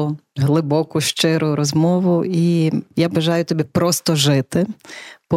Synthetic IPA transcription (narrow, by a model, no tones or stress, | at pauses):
ɦlˠɪbɔkʊʃt͡ʃɪɾʊɾɔzmɔʋʊijabɐʒɑjʊt̪ɔbʲipɾɔst̪ɔʒɪt̪ɪpɔ